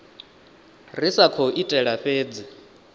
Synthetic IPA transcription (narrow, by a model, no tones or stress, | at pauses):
risakʰɔʔitʼɛɺaɸeːd͡zi